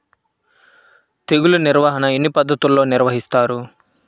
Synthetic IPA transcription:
t̪eɡuluniɾʋaːɦɐnɐenːipɐd̪ʱːɐt̪ulːo̞ːniɾʋɐɦist̪aːɾu

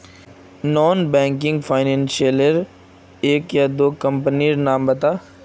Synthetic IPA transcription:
nɔːnbɛ̃ːŋk̬ɪ̃ŋɡfʰaːɪnɛ̃ːnsiələɾ | eːkjad̪oːkɐ̃mpniɾnaːmbɐt̪aː

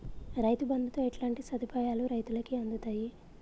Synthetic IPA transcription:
ɾɐjt̪ubɐnd̪ʱut̪oːeʈlaːɳʈisɐd̪ʱipaːjaːluɾɐjt̪ulɐkiɐnd̪ut̪aːji

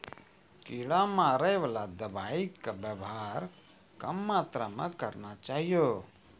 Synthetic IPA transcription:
kiɭamaɾəjʋalad̪əbaikəbəbɦaɾ | kəmːat̪ɾamḛ̃kəɾnat͡ʃaɦijo

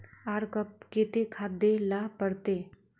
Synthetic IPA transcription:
aːɾkəp̚keːt̪ekʰaːd̪ːelaːpəɽt̪eː

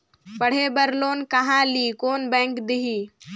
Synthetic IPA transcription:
pɐɽ̤ebɐɾloːnkɐɦãliːkoːnbɛ̃ːŋkd̪ɪɦiː

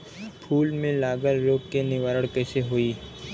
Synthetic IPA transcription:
pʰuːlmẽlaːɡəɾːoːkkːenɪʋaːɾəɽ̃kɛːseɦoːiː

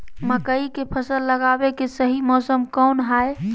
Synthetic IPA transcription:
məkəikepʰəsəlːəɡabekesəɦimɔːsəmkɔnɦae

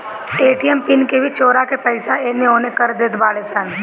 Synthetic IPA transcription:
eːʈijɛmpɪnkebʱit͡ʃoːɾakepɛɪsaeːneɦoːnekəɾd̪eːt̪baːlesɛːn

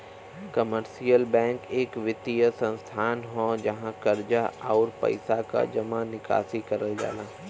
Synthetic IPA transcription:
kɐməɾsijəlbɛ̃ːŋkeːkʋɪt̪ijəsɐ̃nst̪ʰaːnɦõd͡ʒɐɦãkɐɾd͡ʒaaːʊɾpɐ̰ɪsaka̰d͡ʒɐmanɪka̰ːsikɐɾəld͡ʒa̰ːlãː

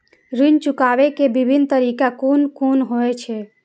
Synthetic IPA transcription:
ɾint͡ʃukaʋekebibʱint̪əɾikakunkunɦoet͡ʃʰɛ

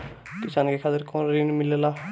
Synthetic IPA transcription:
kisankekʰat̪ɪɾkõnɾinmɪlela

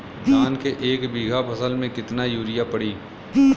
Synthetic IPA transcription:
daːnkeʔeːkbiːɡʱabʱɐsəlmẽkɪt̪najuːɾɪjapɐɽiː

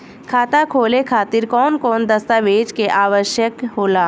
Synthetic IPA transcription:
kʰaːt̪akʰoːlekʰaːt̪ɪɾkɔːnkɔːnd̪əst̪aʋeːd͡ʒkeʔaːʋəʃjəkɦoːlaː

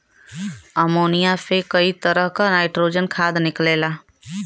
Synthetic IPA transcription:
əmoːnijapʰekəit̪əɾəɦkanaːɪʈɾoːd͡ʒənkʰad̪nɪkleːla

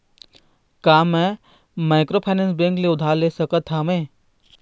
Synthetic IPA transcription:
kaːmɛ̃ | maːɪkɾoːpʰaːnẽːnsbẽːŋkleʊd̪ʱaːleːsəkət̪ʰːaːmẽː

